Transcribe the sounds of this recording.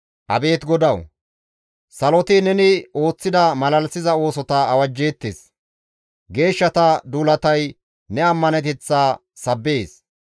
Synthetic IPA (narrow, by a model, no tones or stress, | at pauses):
ʔɐ̰be̞ːt̪ɡɔd̪ɐw | sɐlɔt̪ɪnɛnɪo̞ːt͡sːɪd̪ɐmɐlɐlsɪzɐo̞ːsɔt̪ɐɐwɐd͡ʒːeːt̪ːḛːs | ɡe̞ːʃːɐt̪ɐd̪uːlɐt̪ɐj | nɛɐmːɐnɛt̪ɛt͡sːaː | sɐbːeːs